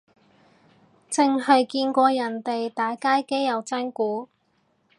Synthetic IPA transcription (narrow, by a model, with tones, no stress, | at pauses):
t͡sɪ˨˧ŋɦɐ˨jkiː˧nkʷɔː˧jɐ˨˩nt̪e˨jt̪aː˨˥jkaː˥jke˥jjɐ˨wt͡sɐ˥nkuː˨˥